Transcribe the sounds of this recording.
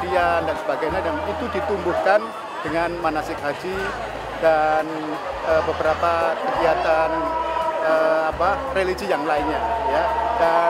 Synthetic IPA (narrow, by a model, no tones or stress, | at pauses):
ɾiandansəbaɡajɲadanit̪udit̪umbuhkan | dəŋanmanasɪkɦad͡ʒi | dan | ʔəːbəbəɾapakəɡiat̪an | əapareliɡijaŋlaɪnɲajada